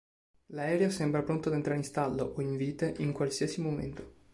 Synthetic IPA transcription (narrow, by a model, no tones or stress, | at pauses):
laɛːɾeasɛmbɾapɾont̪od̪ent̪ɾaɾinst̪alːoʔoiɱviːt̪eʔiŋkwalsiːasimomḛnt̪o̥